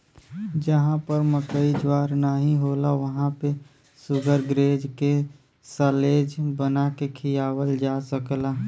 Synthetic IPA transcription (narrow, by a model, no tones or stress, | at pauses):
d͡ʒəɦãpəɾməkəid͡ʒwaːɾnaɦĩɦoːlaʋəɦãpe | sʊɡʱəɾɡɾeːd͡ʒke | səleːd͡ʒbənakekʰijaːwəld͡ʒaːsəklaː